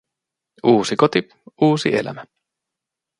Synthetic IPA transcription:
uːsikot̪i | uːsiḛlæ̰mæ

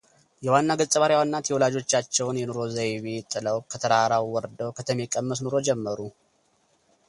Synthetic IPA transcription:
jɛwanːaɡəztʼəβaɾjawanːat̪jɛwɔlad͡ʒo̞t͡ʃːat͡ʃːɛwnjɛnoɾo̞zajβet̪ʼɨləwkʰət̪ʰəɾaɾawwɔɾd̪əwkʰət̪ʰəmekʼəmːəs̬noɾo̞d͡ʒɛmːəɾu

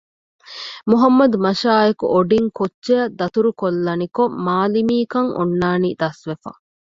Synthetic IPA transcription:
muɦɐmːɐd̪umɐʃaːekṵʔoɖiŋkotːʃejɐd̪ːɐt̪uɾukolːɐnikommaːlimiːkɐŋʔṵnːaːniːd̪ɐsʋefɐ̰

